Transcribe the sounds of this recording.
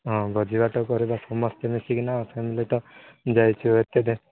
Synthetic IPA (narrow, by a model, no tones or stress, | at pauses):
ɦɔ̃ɡʱɔd͡ʒibaʈɔkɔɾebasɔmɔst̪emisiknaɔpʰemilit̪ɔ | d͡ʒajt͡ʃʰuet̪ed̪e